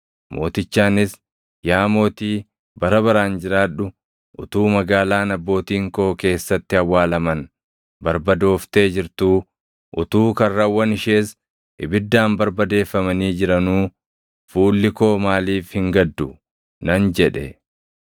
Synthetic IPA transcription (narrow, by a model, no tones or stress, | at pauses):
mʔo̞̰ːt̪ɪt͡ʃːaːnɪs | jaːmo̞ːt̪iː | bɐɾɐβɐɾaːnd͡ʒɪɾaːᶑʊ | ʔʊt̪uːmɐɡaːlaːnɐbːo̞ːt̪iːŋkoːke̞ːsːɐt̪ːɪɐwːaːlɐmɐn | bɐɾbɐd̪o̞ːft̪e̞ːd͡ʒɪɾt̪uː | ʔʊt̪uːkɐrːɐwːɐnɪʃe̞ːs | ʔɪbɪd̪ːaːnbɐɾbɐd̪e̞ːfːɐmɐniːd͡ʒɪɾɐnuː | fuːlːɪko̞ːmaːliːfhɪŋɡɐd̪ːʊ | nɐnd͡ʒɛᶑɛ